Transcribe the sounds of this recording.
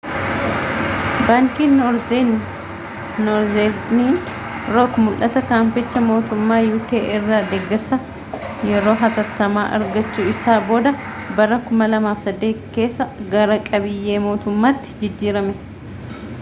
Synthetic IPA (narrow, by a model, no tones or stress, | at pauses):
baːŋkiːnɾ | nɔɾzeɾniːn | ɾɔːkmʊlʔɐt̪ɐkaːmpɪt͡ʃːɐmo̞ːt̪ʊmːaːjʊːkeːʔɪrːaːd̪eɡːɛɾsɐ | jɛɾo̞ːɦɐt̪ɐt̪ːɐmaːʔɐ̰ɾɡɐt͡ʃːuːɪsaːbo̞ːd̪ɐ | bɐrɐkʊmɐlɐmaːfsɐd̪ːe̞ːt̪ke̞ːsːɐɡɐɾɐkʼɐbɪjːe̞ːmo̞ːt̪ʊmːaːt̪ːɪ̥d͡ʒɪd͡ʒːiːɾɐmɛ